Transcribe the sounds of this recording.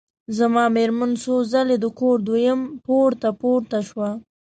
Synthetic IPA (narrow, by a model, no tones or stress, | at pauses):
zamɑmeɾmansozaled̪əkoɾd̪wojəmpoɾt̪apoɾt̪aʃwa